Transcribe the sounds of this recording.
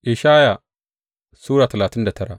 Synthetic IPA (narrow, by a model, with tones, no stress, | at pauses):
ʔɪ˨ʃaː˦ja˨ | suː˦ɽaː˨tɐ˨laː˨tɪ˦nda˨tʰɐ˦ɽa̰˨ʔ